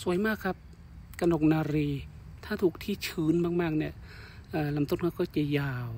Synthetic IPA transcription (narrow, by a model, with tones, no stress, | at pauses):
su˨˩˦jmaː˥˩kʰa˦˥p̚ | ka˧no˨˩k̚naː˧ɾiː˧ | t̪ʰaː˥˩t̪ʰuː˨˩k̚t̪ʰiː˧˩t͡ɕʰɯː˨˦nmaː˧˩k̚maː˧˩k̚ni˧˩ | ʔaː˨˧˩la˨˦mt̪o˧˩˨nkʰa˧˩kɔː˥˩t͡ɕa˧˩jaː˧˩w